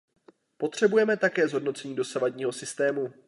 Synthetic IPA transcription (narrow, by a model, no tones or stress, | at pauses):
po̞t̪r̝̥ɛbujɛmɛt̪akɛːzɦo̞dno̞t͡sɛɲiːdo̞savadɲiːɦo̞sɪst̪ɛːmu